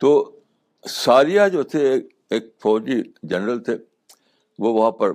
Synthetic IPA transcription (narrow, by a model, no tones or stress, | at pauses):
t̪oː | saːɾijad͡ʒoːt̪ʰeː | eːk̚fɔːd͡ʒid͡ʒɐnɾəlt̪ʰe | ʋoːʋɐɦãpɐɾ